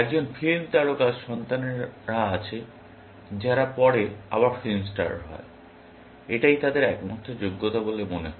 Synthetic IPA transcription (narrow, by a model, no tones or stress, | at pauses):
ɛk̚d͡ʑonfilmt̪aɽokaʃɔnt̪aneɾɾaat͡ɕʰe | d͡ʑaɾapɔɽea̰βaɾfilmsʈa̰ɖɦɔ̰e | eʈajt̪ad̪eɾɛkmɔt̪ʰːod͡ʑoɡːot̪abolemoneɦɔ